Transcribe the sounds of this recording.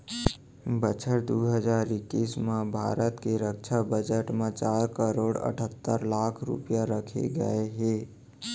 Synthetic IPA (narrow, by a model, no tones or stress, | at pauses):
bət͡ʃʰəʈd̪uːɦəd͡ʒaːɾɪkːiːsmẽbʱa̰ːɾət̪keɾəkʃʰabəd͡ʒəʈmẽt͡ʃaːɾkəɾoːɽə̰ʈʰət̪ːəɾlaːkʰɾʊ̰pjaɾəkʰḛɡə̰eɦeː